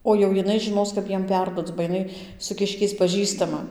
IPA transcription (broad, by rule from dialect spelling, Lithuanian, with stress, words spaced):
oː jɛʊ jɪˈnɐɪ ʒʲɪˈnoːs kɐp ˈjiɛm ˈpʲɛrduɔt͡s bɐ jɪˈnɐɪ sʊ ˈkʲɪʃʲkʲɛɪs pɐˈʒʲiːstɐmɐ